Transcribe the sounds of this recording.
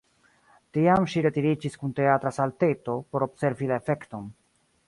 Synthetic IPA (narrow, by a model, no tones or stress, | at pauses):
tiamʃiɾe̞tiɾid͡ʒiskunte̞atɾasalteto̞po̞ɾo̞bse̞ɾvilae̞fe̞kto̞n